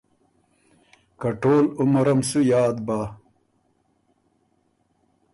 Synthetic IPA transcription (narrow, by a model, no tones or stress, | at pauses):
kɐʈoːlumɐɾɐmsujaːd̪baː